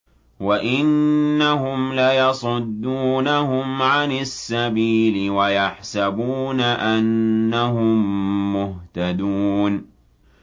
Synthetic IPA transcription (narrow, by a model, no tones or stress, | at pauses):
waʔɪnːaɦʊmlajɑsˤʊd̪ːuːnaɦʊmʕanasːabiːlɪwajaħsabuːnaʔanːaɦʊmːʊht̪ad̪uːn